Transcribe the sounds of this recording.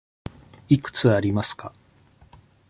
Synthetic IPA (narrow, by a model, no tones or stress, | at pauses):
ikɯ̟̥t͡sɨaɾʲimasɨ̥ka